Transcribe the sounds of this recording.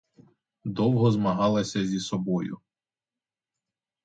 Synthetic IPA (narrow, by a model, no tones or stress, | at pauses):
d̪ɔwɦɔzmɐɦɑlˠɐsʲɐzʲisɔbɔjʊ̰